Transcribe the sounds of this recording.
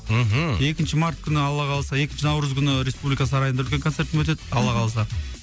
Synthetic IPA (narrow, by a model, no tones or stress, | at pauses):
e̞kʲɪnʃɪmart̪̚kʲʰʏnɪɑlˠːɑqɑlˠsɑe̞kʲɪnʃɪnɑwɾəzkʲʰʏnɪɾʲe̞spublikɑsəɑɾɑjənɑɵlʲkʲeŋkone̞ɾt̪ɪmwɵt̪̬e̞d̪ɪɑlˠːɑqʰɑlˠsɑ